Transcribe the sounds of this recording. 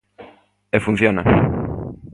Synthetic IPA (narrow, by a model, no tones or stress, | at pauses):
efun̟θjonɐ̰